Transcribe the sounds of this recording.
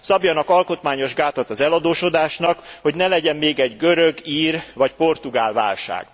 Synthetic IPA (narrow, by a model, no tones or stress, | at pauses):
sɒbjɒnɒkɒlko̞t̪maːɲo̞ʒɡaːt̪ɒt̪ɒzɛlɒd̪oːʃo̞d̪aːʃnɒkho̞ɟnɛlɛɟɛmmeːɡɛɟɡø̞ɾøɡiːrvɒcpo̞rt̪uɡaːlva̰ːlʃa̰ːɡ̥